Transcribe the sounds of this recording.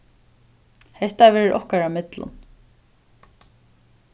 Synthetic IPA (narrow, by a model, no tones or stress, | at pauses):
hɛht̪avɛːɾɪɾʔɔhkaɹamɪt̪lʊ̰n